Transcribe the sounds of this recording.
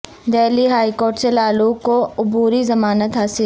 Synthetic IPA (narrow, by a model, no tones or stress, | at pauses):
d̪ɛːliɦaːikoːɾʈselaːlukoʊbuːɾizɐmaːnət̪ɦaːsɪl